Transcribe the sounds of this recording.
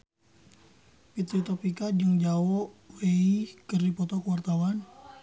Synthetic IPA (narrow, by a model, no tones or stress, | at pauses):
pit̪ɾit̪ɔpikad͡ʒɨŋd͡ʒaɔʔweikərdipɔt̪ɔkəwart̪awan